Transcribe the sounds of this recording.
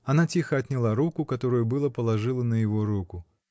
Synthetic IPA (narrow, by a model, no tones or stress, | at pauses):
ɐnat͡sʲixɐɐt̪ʲnʲɪlˠaɾukʊkat̪oɾʊjubɨlˠəpəlˠaʐɨlˠənəjɪvɔɾukʊ